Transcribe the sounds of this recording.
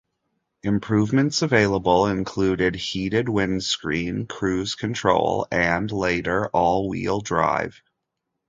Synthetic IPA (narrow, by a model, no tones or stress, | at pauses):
ɨ̃mpʰɹ̥ʉvmɨ̃ntsɨveɪlˠəbl̩ˠɪ̃nkʰl̥ʉɾɪd̚hiɾɨd̚wɪ̃nskɹĩnkʰɹ̥ʉz̥kʰɨ̃ntʰɹ̥o̰ʊlˠɨ̃nleɪɾə˞ʔɔlˠwḭlˠdɹa̰ɪv̥